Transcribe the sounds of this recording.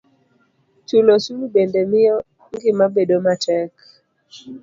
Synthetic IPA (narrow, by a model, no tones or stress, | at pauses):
t͡ʃulosumibendɛmɪjɔ | ŋɡɪmabedomatɛk